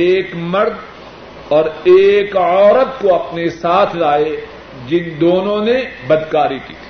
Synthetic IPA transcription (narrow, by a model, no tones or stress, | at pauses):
eːkmɐɾd̪ | ɔːɾeːkɔːɾət̪koɐpnesaːt̪ʰlaːe | d͡ʒɪnd̪oːnõnebɐd̪kaːɾikḭːt̪ʰi̥ː